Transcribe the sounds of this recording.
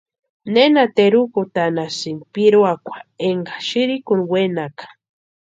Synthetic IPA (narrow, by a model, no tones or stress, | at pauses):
nenat̪eɾukut̪anasinpiɾoakʷḁeŋɡaʃiɾikunwenakḁ